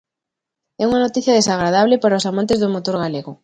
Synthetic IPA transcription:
ɛuŋanot̪iθjɐðesaɣ̞ɾaðaβlepaɾaosamãnt̪ezðomot̪oɾɣaleɣo

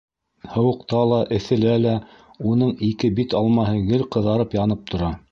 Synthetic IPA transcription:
hɤ̆wɤ̆qt̪ɑlˠɑʔɘ̆θɘ̆lælæ | unɤɴikɘbit̪ɑlˠmɑɦɤɡɘlqɤ̆ðɑɾɤpjɑnɤp̚t̪ʰŏɾɑ

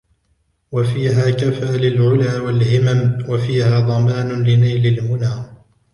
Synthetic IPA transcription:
wafiːɦaːkafaːlɪlʕʊlaːwalhɪmamwafiːhaːd̪ˤɑmaːnʊlɪnajlɪlmʊnaː

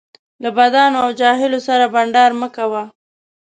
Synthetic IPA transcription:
labad̪ɑnoawd͡ʒɑɦɪlosaɾabaɳɖɑɾməkawa

